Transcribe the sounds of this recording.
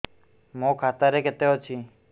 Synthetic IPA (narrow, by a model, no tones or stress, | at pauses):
mõkʰat̪aɾeket̪eot͡ʃʰi